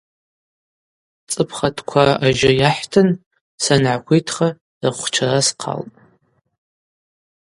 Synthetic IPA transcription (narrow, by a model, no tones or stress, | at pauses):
t͡sʼɨpʰχatʰkʷʰaaʒɪjaħtʰɨn | sanʕakʷʰijtʰχa | raχʷt͡ʃʰarasqʰa̰ltʼ